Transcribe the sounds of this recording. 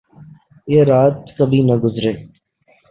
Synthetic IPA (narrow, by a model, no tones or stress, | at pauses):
eːɾaːt̪kəbʱiːnəɡʊzɾeː